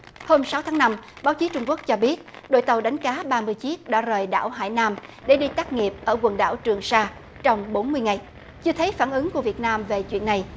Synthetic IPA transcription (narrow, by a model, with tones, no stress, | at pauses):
ho˧msa˨˦wt̪ʰaː˨˦ŋna˧mɓaː˨˦wt͡ɕi˨˦t͡ɕʊ˧ŋ͡mku˦˥ək̚t͡ɕɔ˧ɓi˦˥ət̚ɗo̰˧˨jt̪ə˨˩wɗa˨˦jŋ̟kaː˨˦ɓaː˧mɨ˧əjt͡ɕi˦˥ək̚ɗa̰ː˧˥zəː˨˩jɗa̰ː˧˩wɦa̰ː˧˨jnaː˧mɗe˧˩ɗi˧t̪aː˦˥k̚ŋi˨˩əp̚ʔəː˧˩kwə˨˩nɗa̰ː˧˩wt͡ɕɨ˨˩əŋsaː˧ | t͡ɕɔ˧wŋ͡mɓo˨˦nmɨ˧əjŋa˨˩j | t͡ɕɨ˧t̪ʰe˨˦jfaː˧˩nʔɨ˨˦ŋku˧˩əvi˨˩ət̚naː˧mve˨˩t͡ɕwḭ˧˨ənːa˨˩j